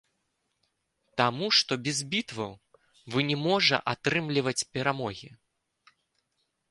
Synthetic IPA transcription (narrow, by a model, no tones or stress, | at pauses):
t̪amuʂt̪ɔbʲɛzbʲit̪vɐw | vɨnʲɛmɔʐɐ̰ʔat̪ɾɨmlʲivɐt͡sʲpʲɛɾamɔɣʲi